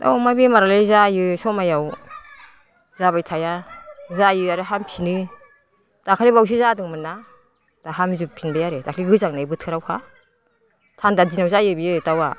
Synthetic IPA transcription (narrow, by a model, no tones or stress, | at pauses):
da̰wmajbemaɾalejzajɯsɔmajaw | zabajtʰajazajɯaɾɯɦampʰinɯ | takʰaɾibaws̬izadɯŋmɯnːa | d̥aɦamzupʰinbajaɾedakʰliɡɯzaŋnajbɯtʰɯɾawkʰa | tʰandadinawzajɯbijɯtawa̰